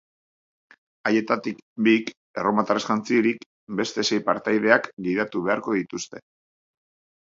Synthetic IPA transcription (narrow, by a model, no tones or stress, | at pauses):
aje̞t̪at̪ikbik | eromat̪aresxant͡sieɾik | be̞st̪e̞se̞jpaɾt̪ajðe̞akɡiðat̪uβe̞aɾko̞ðit̪ust̪e̞